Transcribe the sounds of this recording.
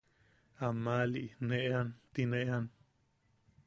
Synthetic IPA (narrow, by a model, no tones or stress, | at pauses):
amãliʔnẽʔant̪inẽʔan